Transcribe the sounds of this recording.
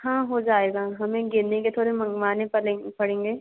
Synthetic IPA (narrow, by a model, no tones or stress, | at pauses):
ɦãːɦod͡ʒaːeːɡaɦɐmẽɡɪnnẽket̪ʰoːɾemɐmaːnẽpɐẽpɐɽ̤ẽːŋɡeː